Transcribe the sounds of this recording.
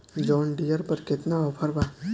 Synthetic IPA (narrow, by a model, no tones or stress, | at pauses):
d͡ʒɔːnɖijəɾpɐɾkɪt̪naɔːpʰəɾbaː